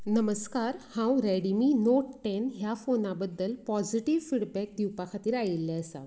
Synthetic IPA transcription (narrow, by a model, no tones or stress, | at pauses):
nəməskaɾhãwɾɛɽimiːnoʈʈɛnɦjafonabəd̪ːəlpɔd͡ziʈiʋfiɽbɛk̚d̪iwpakʰat̪iːɾajilːɛəsa̰